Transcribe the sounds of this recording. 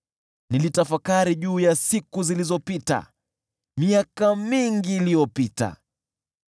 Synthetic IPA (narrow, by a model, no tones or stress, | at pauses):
nilitafakaɾiʄuːjasikuzilizɔpita̰ | miakamiŋɡiːlijɔpita̰